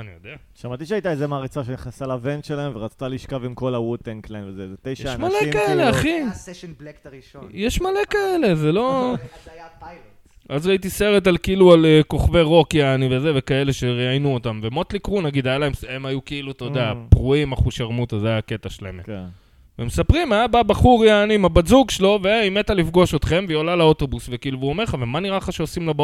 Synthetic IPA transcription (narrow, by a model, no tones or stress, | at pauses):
anijo̞d̪ea | ʃamat̪iʃeait̪aezemaːʁit͡saʃeniχnasalave̞nt̪ʃelaemveʁat͡st̪aliʃkavimko̞lawut̪enklanvezezet̪ejʃjaːʃnmaeikaeleaχi | kiʃjeʃmale̞kaele̞zelo̞jp | azʁait̪̬ise̞ʁet̪alkiilualeko̞χve̞ʁo̞kjanive̞zeve̞kae̞leʃe̞ʁeajnuot̪amvemo̞t̪likʁunaɡid̪ajalaemsemajukeilut̪o̞d̪apʁuimaχuʃaʁmut̪azajake̞t̪aʃleeme | veemesapʁimajababaχuʁjanimabazuɡʃlo̞veime̞t̪alifɡo̞ʃo̞t̪χe̞mveolaleot̪o̞busvekiluvome̞ʁχavemaniʁalχaʃeosimlaba